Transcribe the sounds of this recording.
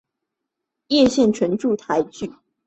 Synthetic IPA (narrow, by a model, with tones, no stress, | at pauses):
jɛ˥˧ɕjɛ˥˩nʈ͡ʂʰwə˧˥nʈ͡ʂu˥˨t̪ʰa˨˦ɪt͡ɕy˥˩